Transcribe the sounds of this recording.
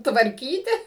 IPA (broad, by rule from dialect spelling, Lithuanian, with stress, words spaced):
tʋɐrʲˈkʲiːtʲɪ